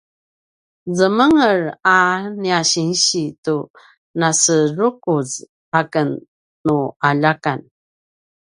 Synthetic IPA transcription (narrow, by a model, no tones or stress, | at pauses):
zəməŋəɾaniaɕinɕitu | nasərukuz | akənː | uaʎakan